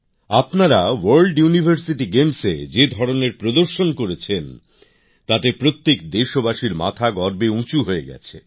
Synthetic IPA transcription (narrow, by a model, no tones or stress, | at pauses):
apnaɾawaɾlɖjunibʱaɾsiʈiɡemsḛd͡ʑed̪ʱɔɾoneɾpɾod̪oɾʃonkoɾet͡ɕʰen | t̪at̪epɾot̪ːekd̪eʃobaʃiɾma̰t̪ʰaɡɔɾbeũt͡ɕuɦoeɡɛ̰t͡ɕʰḛ